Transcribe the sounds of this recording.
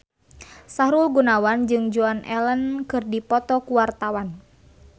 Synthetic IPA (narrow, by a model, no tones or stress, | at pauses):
saɾulɡunawand͡ʒɨŋd͡ʒuanʔɛlənkɨrdipɔt̪ɔkuwart̪awan